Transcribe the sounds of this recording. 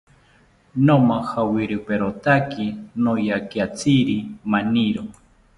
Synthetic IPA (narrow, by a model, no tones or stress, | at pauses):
nomahawiɾɨpeɾot̪akinojakiat͡sʰiɾimaniɾo